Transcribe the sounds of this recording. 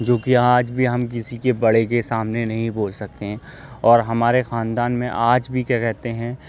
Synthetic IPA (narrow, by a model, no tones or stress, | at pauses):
d͡ʒoːkiaːd͡ʒbʱiɦɐmkɪsikebɐɽekesaːmnenɐɦĩboːlsɐk̚t̪eɦɛ̃ | ɔːɾɦɐmaːɾexaːnd̪aːnmẽʔaːd͡ʒbʱikɛːkɛɦt̪eɦɛ̃ː